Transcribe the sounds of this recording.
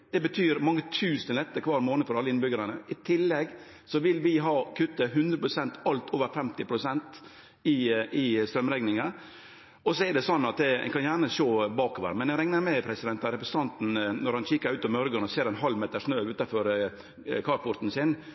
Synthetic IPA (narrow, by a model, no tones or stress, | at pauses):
d̪̥ɛbət̪ʰyːɾmɑŋːət̪ʰʉːsənlɛt̪ːəkʰʋɑːɾmoːnəfɔɾɑlːəɪnbʏɡəɾɑnəʔɪt̪ʰɪlːɛɡ | sɔʋɪlʋɪɦɑːkʰʉt̪ːəɦʉnd̪ɾəpɾʊsɛnt̪ɑlt̪ʰoːʋəɾfɛmt̪ɪpʰɾʊsɛnt̪ | ɪɪst̪ɾœmɾɛɡnɪŋɑ | ɔsɔɛɖ̪ɛsɔnːɑt̪̚d̪ɛɛ̰kʰɑnjæːɳəʂoːbɑːkoːʋə̰ɾəmɛnɛɾɛŋnəɾmɛpʰɾɛsɪd̪ɛnt̪ɑɾɛpɾsət̪ɑnt̪n̩nɔɾhɑnʃiːkəɾʉːt̪ɑmœɾɡənɔseːɾɛnɦɑlmeːt̪əʂnøːʉːt̪ɑfɔɾ | kʰɑɾfɔɾt̪n̩sɪn